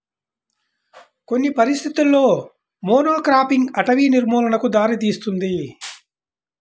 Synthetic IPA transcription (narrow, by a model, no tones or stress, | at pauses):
ko̞nːipɐɾist̪ʰit̪ulːo̞ː | moːnoːkɾaːpiŋɡɐʈɐʋiːniɾmɔːlɐnɐkud̪aːɾit̪iːst̪und̪i